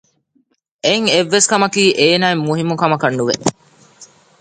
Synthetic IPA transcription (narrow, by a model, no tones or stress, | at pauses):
eŋeʋːeskɐmɐkiːʔeːnaːemːuɦimukɐmɐkɐnːuʋe